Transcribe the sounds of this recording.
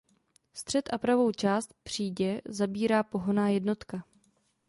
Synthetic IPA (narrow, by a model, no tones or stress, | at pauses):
st̪r̥ɛt̪ʔapɾavo̞wt͡ʃaːst̪̚pr̝̥iːɟɛzabiːɾaːpo̞ɦonaːjɛdno̞t̪ka